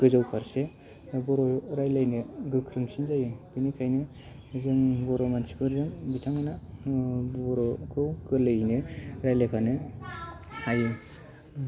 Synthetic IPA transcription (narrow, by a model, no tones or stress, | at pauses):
ɡ̥ɯzawpʰaɾse | bɔɾɔɾajlajnɯɡɯkʰɾɯŋsinzajɯbinikʰajnɯ | zɯŋbɔɾɔmansi̥pʰɯɾzɯŋbitʰaŋɯna | bɔɾɔkʰɯwɡɯlɯjnɯɾajlajpʰanɯ | hajɯ